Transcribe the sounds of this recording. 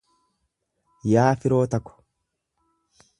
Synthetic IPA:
jaːfɪɾo̞ːt̪ɐkːɔ̥

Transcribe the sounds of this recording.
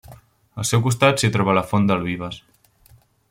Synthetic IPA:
əlˠsɛwkust̪at̪sit̪ɾɔβalafond̪əliβ̞əs

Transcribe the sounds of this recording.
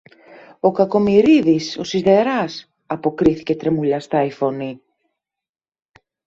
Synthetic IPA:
okakomiɾiðisosizðeɾas | apokɾiθket̪ɾemuʎast̪ajfoni

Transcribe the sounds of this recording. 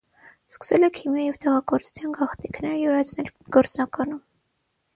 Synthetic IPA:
skə̥sɛlɛkʰimjɑjɛvt̪ɛʁɑɡɔɾt͡sʰu̥t͡sʰjɑnɡɑχt̪ikʰnɛɾjuɾɑt͡sʰnɛlɡ̥ɔɾt͡snɑkɑnum

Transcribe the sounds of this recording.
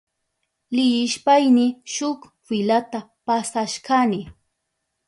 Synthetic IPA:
lɪjɪʃpajnɪʃʊk | fɪlat̪apasaʃkanɪ

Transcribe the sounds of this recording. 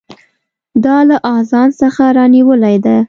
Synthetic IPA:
d̪ɑlaʔɑzɑnsəxaɾɑniwəlajd̪a

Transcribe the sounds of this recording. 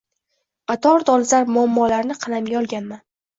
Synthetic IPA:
qɑt̪ʰɒɾd̪ɒlɪzaɾmʊamːɒlaɾnɪqʰɑlamɡʲaɒlˠɡʲanman

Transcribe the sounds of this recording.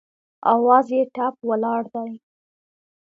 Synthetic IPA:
ɑ̰wɑzjeʈapwəlɑɽd̪aj

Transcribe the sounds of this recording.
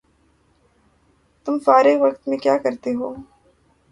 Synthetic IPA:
t̪ʊmsaːɾeʋɐkt̪mẽkjaːkɐɾt̪eɦoː

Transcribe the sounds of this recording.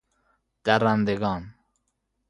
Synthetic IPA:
d̪̥æɾand̪eɡɒn

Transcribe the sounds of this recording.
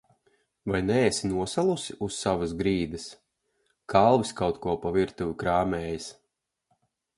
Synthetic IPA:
vajnɛːsinuɔsalˠusiʔussːavɐsɡɾiːd̪ɨs | kʰalˠviskawt̪kuɔpaviɾt̪uvʲikɾaːmɛːjis

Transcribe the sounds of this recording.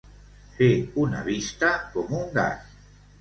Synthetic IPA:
feuna̰βist̪akomuŋɡa̰s

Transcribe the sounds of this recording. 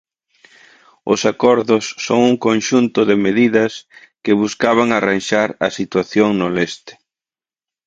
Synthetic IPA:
ʊsakɔɾðʊsːoŋuŋkonʃunt̪ʊðɪmeðiðɐs | kɪβuskaβaŋaranʃaɾɐsit̪waθjoŋnolest̪ɪ̥

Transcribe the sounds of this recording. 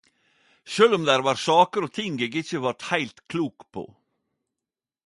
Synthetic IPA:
ʃøːlɔmd̪æɾʋɑːɾsɑːkəɾɔt̪ʰɪŋɡeːɡɪçəʋɑɾʈhæɪlt̪kʰluːkpʰo̰ː

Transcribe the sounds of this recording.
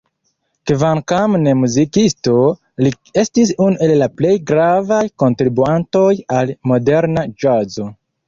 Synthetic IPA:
kvaŋkamnemuzikisto̞ | li | e̞stis̬unuʔe̞lːaple̞jɡɾavajko̞ntɾibuanto̞jalmo̞de̞ɾnad͡ʒazo̞

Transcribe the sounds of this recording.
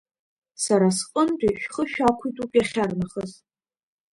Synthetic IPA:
saɾasqʼəndʷʼiʃᶣχəʃᶣakʷʰijtʼupʼjaχʲarnaχəz

